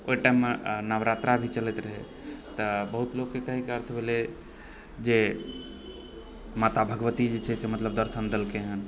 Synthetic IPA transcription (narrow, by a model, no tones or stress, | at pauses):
oiʈaimːenəʋɾat̪ɾabʱit͡ʃəlɛt̪ɾəɦɛ̰ | t̪əbəɦut̪lokːekəɦikeəɾt̪ʰbʱele | d͡ʒe | mat̪abʱəɡʋət̪id͡ʒet͡ʃʰɛsemət̪ləb̚d̪əɾsənd̪elkeɦən